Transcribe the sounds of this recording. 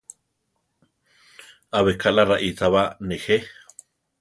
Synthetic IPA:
aβekʰalaraʔizaβanehe

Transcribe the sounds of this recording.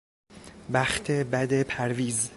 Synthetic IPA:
bæxt̪ʰebæd̪epʰæɾviːz

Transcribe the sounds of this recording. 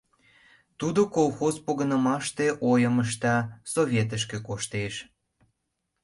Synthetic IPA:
t̪ud̪okolˠxozpoɣə̆nəmɑʃt̪eʔojəməʃ̬t̪ɑsoβʲjet̪̬əʃ̬kĕkoʃt̪eʃ

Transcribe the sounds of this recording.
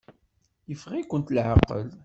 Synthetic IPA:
jəfʁikʷːənt̪lʕəqːə̰l

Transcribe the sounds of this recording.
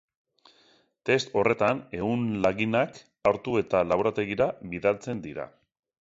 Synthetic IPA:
t̪e̞st̪o̞re̞t̪ane̞ɣunlaɣinak | aɾt̪ue̞t̪alaβoɾat̪e̞ɣiɾaβiðalt͡se̞nd̪iɾa̰

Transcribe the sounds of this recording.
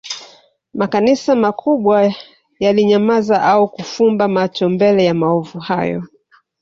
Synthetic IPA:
makanisamakʰuɓwa | jaliɲamazaʔaukufumbamat͡ʃɔmbɛlɛjamaɔvuhajɔ̰

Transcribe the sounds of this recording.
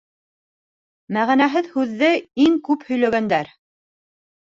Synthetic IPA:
mæʁænæɦɘðhʉðːɘiŋkʉphɵ̆jlæɡænd̪æɾ

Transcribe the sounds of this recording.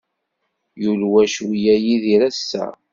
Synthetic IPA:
julwæʃwijæjiðiɾæsːæ̰

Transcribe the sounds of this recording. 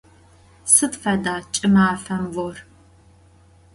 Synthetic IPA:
sɨtfɐdaːt͡ʃʼɪmaːfɐmwɔr

